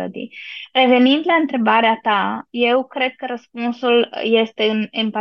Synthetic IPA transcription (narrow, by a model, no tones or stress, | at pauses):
ə̰d̪ḭre̞ve̞nind̪laɨnt̪ɾe̞baɾeat̪aje̞wkɾe̞d̪̚kəɾəspunsulje̞st̪e̞ɨnempa